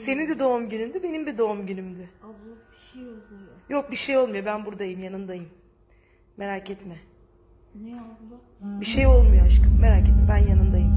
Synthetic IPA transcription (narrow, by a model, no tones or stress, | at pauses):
se̞ninbid̪o̞umɟynymd̪ybe̞nimbid̪o̞umɟynymd̪ɪ | jo̞k̚biʃe̞jo̞lˠmujobænbuɾd̪ajɯmjanɯnd̪ajɯm | me̞ɾaːcʰɛt̪mɛ | biʃe̞jo̞lˠmujoaʃkɯme̞ɾaːcʰet̪mɛbænjanɯnd̪ajɯm